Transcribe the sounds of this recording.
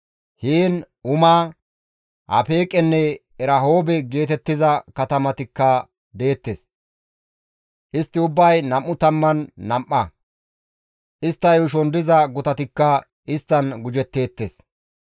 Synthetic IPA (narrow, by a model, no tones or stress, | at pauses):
hiːn | ʊmaː | hɐ̰pe̞ːkʼɛnːɛ | ɛɾɐɦoːbɛɡe̞ːt̪ɛt̪ːɪzɐkɐt̪ɐmɐt̪ɪkːɐ | d̪e̞ːt̪ːes | ʔɪst̪ːɪʊbːɐjnɐmʔːʊt̪ɐmːɐnːɐmʔːɐ | ʔɪst̪ːɐjʊʃ̬ɔnd̪ɪzɐɡʊt̪ɐt̪ɪkːɐ | ɪst̪ːɐnɡʊd͡ʒɛt̪ːe̞ːt̪ːḛːs